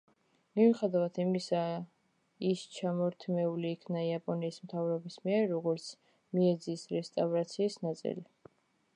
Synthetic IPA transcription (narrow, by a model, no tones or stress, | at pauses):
miviχɛd̪avat̪ʰimisa | ist͡ʃʰamɔɾt̪ʰmɛuliːkʰnaiapʼɔniːsmt̪ʰavɾɔbismiɛɾːɔɡɔɾt̪sʰ | miɛd̪ziːsɾɛst̪ʼavɾat̪sʰiːsnat̪sʼḭli